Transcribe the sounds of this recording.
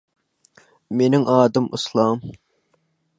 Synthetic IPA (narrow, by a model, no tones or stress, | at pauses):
menɪŋʔɑːd̪ɨmʔṵslˠɑm